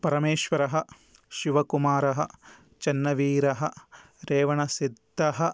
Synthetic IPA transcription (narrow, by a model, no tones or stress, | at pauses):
pɐɾɐmeːʃʋɐɾɐɦɐ̆ | ʃiʋɐkumaːɾɐɦɐ̆ | t͡ʃɐnːɐʋiːɾɐɦɐ̆ | ɾeːʋɐɳɐsid̪ʱːɐɦɐ̆